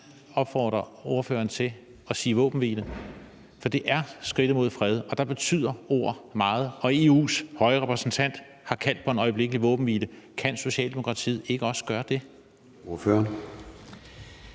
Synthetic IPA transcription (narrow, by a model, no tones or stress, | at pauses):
ɒ̽b̥fɒ̰ːd̥ʁɐo̝ɐfø̰ːɐnt͡sʰe̝ | ɒ̽siːʋɔ̰ːb̥n̩ʋḭlə | fɒ̽d̥e̝ʔæɐsɡ̥ʁid̥ð̩ˠmo̝ð̞̰ˠfʁɛð̞ˠɒ̽d̥ɑ̈b̥e̝t͡sʰy̰ð̞̰ˠɐo̝ɐ̰mɑ̈ːð̞̩ˠɒ̽e̝ːṵːshɒ̽ɪʁɛpʰʁɛsn̩t͡sʰæn̰d̥ | hɑ̈kʰæl̰d̥̚pʰɒ̽e̝nɒ̽ɪb̥le̝ɡ̥əliʋɔ̽ːb̥n̩ʋiːlə | kʰænso̝ɕɛ̰ːld̥e̝mo̝kʰʁɑ̈t͡sʰḭːð̩ˠe̝ɡ̥əɒ̽sə̥ɡ̥ɶːɐd̥e̝ | oføɐn